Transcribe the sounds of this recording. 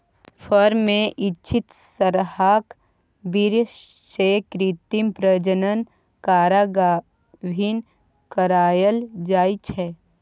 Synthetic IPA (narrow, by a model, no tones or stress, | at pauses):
fʰəɾmẽʔɪtːʃʰit̪səɾhaːk | biɾ | ʃeːkɾit̪impɾəd͡ʒənən | kaːɾaɡa | bʱin | kəɾaːjəld͡ʒaːit͡ʃʰɛː